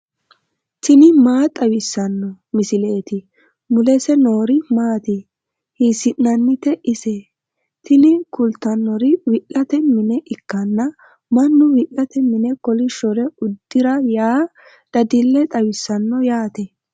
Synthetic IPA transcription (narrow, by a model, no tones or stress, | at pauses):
t̪ɪnɪmaːt̪ʼɐwɪsːɐnːɔ | mɪsɪle̞ːt̪ɪ | mʊlɛsɛnoːɾɪmaːt̪i | hiːsɪnnɐnːɪt̪ɛʔɪse | t̪ɪnɪkʊlt̪ːɐnːɔɾɪwɪʔɐt̪ɛmɪnɛʔɪkːɐnːɐ | mɐnːʊwɪʔɐt̪ɛmɪnɛkɔlɪʃɔɾɛʊd̪ːɪɾɐjaː | d̪̥ɐd̪ɪlːɛt̪ʼɐwɪsːɐnːɔjaːt̪ɛ